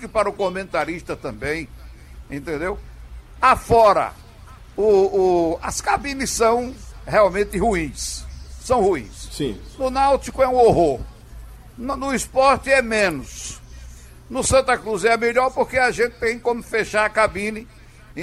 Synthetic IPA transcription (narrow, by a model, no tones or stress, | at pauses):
kɪpaɾʊkomẽnt̪aɾiʃt̪ɐt̪ɐ̃mbẽj̃ | ḛ̃nt̪ẽnd̪ew | afɔɾɐ̰ | ʊː | ɐskabĩnisɐ̃w̃heawmẽnt̪ɪhuĩsːɐ̃w̃huḭ̃ssḭ̃nʊnawt̪ikʊɛũoɦoɾ | nnʊispɔɾt̪ɪɛmẽnʊs | nʊsɐ̃nt̪ɐkɾuzɛmeʎɔɾpoɾkeɐʒẽt̪ɪ̥t̪ẽj̃kõmʊfeʃaɾɐkabĩnɪ̃